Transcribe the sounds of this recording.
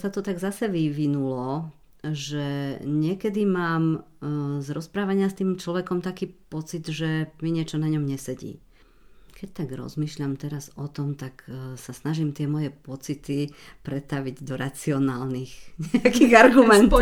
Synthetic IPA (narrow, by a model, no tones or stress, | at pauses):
sat̪ɔt̪aɡzasɛʋiʋinulɔ | ʒɛɲɪɛkɛd̪imaːm | zɾɔspɾaːʋaɲɪast̪iːmt͡ʃlɔʋɛkɔmt̪akiːpɔt͡sid̪ʒɛmiɲɪɛt͡ʃɔnaɲɔmɲɛsɛɟḭː | kɛc̚t̪aɡɾɔ̰zmiːʃʎamt̪ɛɾazɔt̪ɔmt̪aksasnaʒimt̪ɪɛmɔjɛpɔt͡sit̪i | pɾɛt̪aʋiɟd̪ɔɾat͡siɔnaːlnixɲɛakiɣaɾɡumɛnt̪ɔ